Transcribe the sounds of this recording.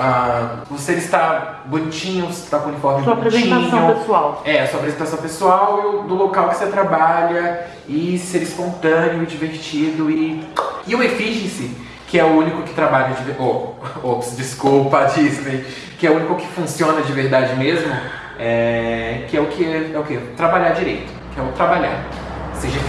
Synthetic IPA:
aoselɪst̪a | bʊnit͡ʃĩɲʊ̃se̥t̪akõunifɔɾmɪsuapɾezẽit̪ãsɐ̃pesuawɛɐsuɐapɾezẽt̪asɐ̃w̃pesuawd̪ʊlokawkɪ̥set̪ɾabaʎɐ | ɪseɾispõnt̪ɐ̃nɪʊɪd͡ʒiveɾt͡ʃid̪ʊɪɪũefiʒẽsɪ | kɪɛʊũnikʊkɪ̥t̪ɾabaʎɐd͡ʒiveoopsd͡ʒiskupɐd͡ʒiznej | kɪɛʊũnikʊkɪ̥fũsiõnɐd͡ʒɪveɾd̪ad͡ʒɪmezmʊ | ɛkɪɛʊkɪɛʊket̪ɾabaʎaɾd͡ʒiɾejt̪ʊ̥kɪɛʊt̪ɾabaʎa̰ɾ | seʒɐ

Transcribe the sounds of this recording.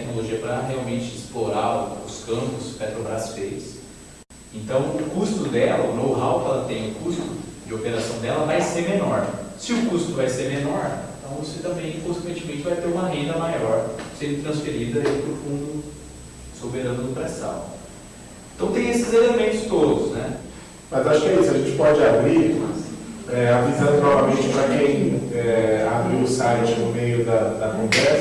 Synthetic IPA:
t̪ɛknoloʒiɐpɾɐɦeawmẽnt͡ʃɪɪsploɾaʊʊskɐ̃mpʊspɛt̪ɾobɾasfejɪs | ẽnt̪ɐ̃w̃ʊkust̪ʊd̪ɛlɐʊnowɦawkɛlɐt̪ẽj̃ʊkust̪ʊd͡ʒɪopeɾasɐ̃w̃d̪ɛlɐvajseɾmenɔɾsɪʊkust̪ʊvajseɾmenɔɾẽt̪ɐ̃w̃voset̪ɐ̃mbẽj̃kõsekwẽt͡ʃɪmẽnt͡ʃɪvajt̪eɾũmɐɦẽnd̪ɐmajɔɾsẽnd̪ʊt̪ɾɐ̃sfeɾid̪ɐipɾʊfũnd̪ʊ | sobeɾɐ̃nʊd̪ʊpɾɛsɐ̰̃w̃ | ẽt̪ɐ̃w̃t̪ẽj̃esɪzelemẽnt̪ʊ̥st̪od̪ʊsnɛ | mɐzaʃʊkɪɛisʊɐʒẽnt͡ʃɪ̥pɔd͡ʒɪabɾimɐsɛavizɐ̃nʊkɪnɔvɐmẽnt͡ʃɪpɾɐ̃ɡẽj̃ɛabɾiʊsajt͡ʃɪnʊmejʊd̪ɐd̪ɐkõvɛs

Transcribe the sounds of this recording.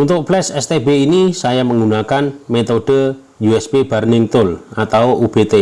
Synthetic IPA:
unt̪ʊk̚plɛsɛst̪ebeinisajaməŋɡunakanmet̪oɖ̥ə | juɛsbeb̥a̤ɾrnɪŋt̪ʊlat̪awoʔub̥et̪e

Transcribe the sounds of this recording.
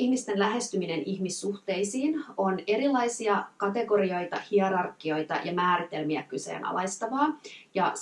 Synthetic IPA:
ihmist̪enlæɦe̞st̪ymineniçmisːuht̪e̞jsiːno̞ne̞ɾilːɑjsiɑkɑt̪e̞ɡo̞ɾio̞jt̪ɑhiɑɾɑrkːio̞jt̪ɑ̰jɑmæːɾit̪e̞lmiækyse̞̰ːnʔɑ̰lɑjst̪ɑʋɑːjɑ

